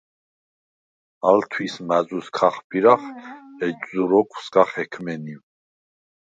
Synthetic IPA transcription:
alt̪ʰwismazʼuskʰaχbiɾaχɛd͡ʒʼzuɾɔkʰʼwsɡaχɛkʰmɛniw

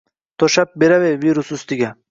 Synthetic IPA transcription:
t̪oɕɐp̚biɾɐwewiɾusust̪iɡɐ

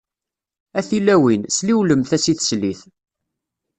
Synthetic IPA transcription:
æθilːæwinsliwləmθæsiθsliθ

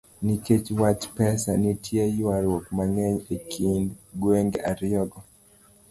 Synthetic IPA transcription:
niket͡ʃwat͡ʃpɛsa̰nitʰjejwaɾwokmaŋɛɲekʰindɡweŋɡa̰ɾjɔɡɔ

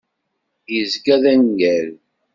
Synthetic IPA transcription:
jəzɡæðænɡæl

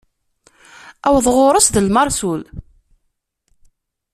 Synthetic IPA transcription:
æwəðˤʁʊɾˤəsðəlmɑɾˤsul

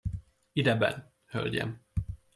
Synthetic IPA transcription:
id̪ɛbɛ̰n | hø̰lɟɛ̰m

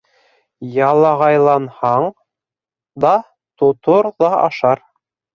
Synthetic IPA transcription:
jɑlˠɑʁɑjlˠɑnhɑɴ | d̪ɑ | t̪ŏt̪oɾðɑɑ̰ʃɑɾ

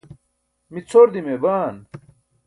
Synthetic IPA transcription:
mit͡sʰoɾd̪imebaːn

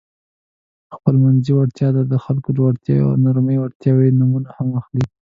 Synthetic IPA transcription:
xpəlmanziwaɽt̪jɑd̪ad̪əxalkod̪əwaɽt̪j̰naɾməjwaɽt̪jɑwenumunahamaxli

